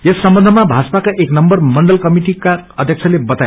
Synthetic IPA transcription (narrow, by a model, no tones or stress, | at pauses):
esːʌmbʌnd̪ʱʌmabʱat͡spakaʔeknʌmbʌrmʌɳɖʌlkʌmiʈikaʌd̪ʱjʌk̚t͡sʰʌlebʌt̪a